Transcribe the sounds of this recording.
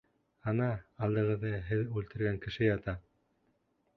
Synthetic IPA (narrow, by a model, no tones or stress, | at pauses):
ɑnɑɑlˠd̪ɤ̆ʁɤ̆ðːɤɦɘðʉlt̪ɘ̆ɾɡæŋkɘ̆ʃɘjɑt̪ɑ